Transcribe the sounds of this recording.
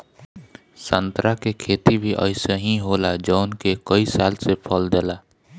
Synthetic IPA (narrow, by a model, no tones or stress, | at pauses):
sənt̪ɾakekʰeːt̪ibʱiʔə̰ɪsəɦĩɦolad͡ʒɔːnkekəisaːlsepʰəld̪eːla